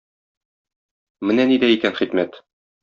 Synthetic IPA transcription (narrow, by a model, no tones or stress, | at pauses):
mɘnænid̪æikænχit̪mæt̪